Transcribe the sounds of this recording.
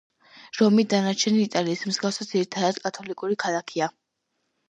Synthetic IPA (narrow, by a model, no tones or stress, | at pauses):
ɾɔmid̪anat͡ʃʰɛniit̪ʼaliːsmzɡafsad̪ziɾit̪ʰad̪ad̪̥kʼat̪ʰɔlikʼuɾikʰalˠakʰia